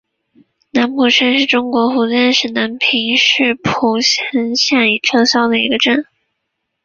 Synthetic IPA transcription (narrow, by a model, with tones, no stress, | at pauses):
na˧˥npu˨˩ʂə˥nʂɻ̩˥˩ʈ͡ʂʊ˥ŋkwɔ˧˥xu˧˥t͡sjɛ˥˧nʂɻ̩˥˩na˧˥npʰi˧˥ŋʂɻ̩˥˩pʰu˧˥˩ɕɛ˧˥nɕjɛ˥˩ni˨˩ʈ͡ʂʰɤ˥˧ɕjɑ˥ʊd̪ə˨i˧˥ɡə˧ʈ͡ʂə˥˩n